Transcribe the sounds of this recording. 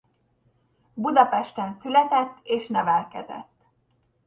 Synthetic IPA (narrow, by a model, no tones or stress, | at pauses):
bud̪ɒpɛʃt̪ɛnsylɛt̪ɛt̪ːeːʃnɛvɛlkɛd̪ɛ̰t̪ː